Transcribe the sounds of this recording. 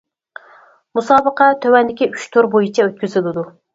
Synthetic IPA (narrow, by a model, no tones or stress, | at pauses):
musɑːbəqɛt̪ʰøwɛnd̪ɪkʲiyt͡ʃt̪ʰoɾbojit͡ʃʰɛøt̪̚kʲyzɪlɪd̪u